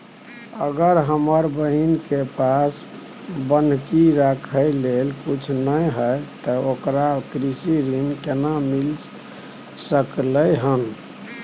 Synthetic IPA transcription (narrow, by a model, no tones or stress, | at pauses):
ə̰ɡəɾɦəməɾbəɦinkepas | bənkiɾakʰəjlelkut͡ʃʰnəjɦəjt̪əokɾakɾisiɾinkenamil | səkləjɦən